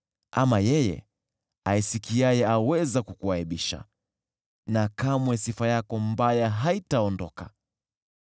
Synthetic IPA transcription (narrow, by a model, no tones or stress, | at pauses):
ʔamajɛjɛ̰ | aisikiajɛawɛzakukuaiɓiʃa̰ | nakamwɛsifajakɔmbajaɦaitaɔndɔ̰ka